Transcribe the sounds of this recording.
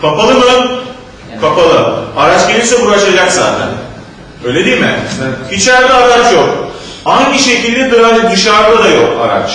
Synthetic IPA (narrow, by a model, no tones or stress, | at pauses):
kʰapʰalˠɯmɯ | kʰapalˠɯaɾat͡ʃɟʲeiɾsɛbuɾaʃad͡ʒakz̥aːt̪ʰæ̰n | ø̞jlʲed̪ijmɪ̰it͡ʃæɾd̪ʲɛaɾat͡ʃjok | haɲːiʃe̞cʰilʲd̪ɛd̪øænʲd̪ɯʃaɾd̪ad̪ajoka̰ɾa̰t͡ʃ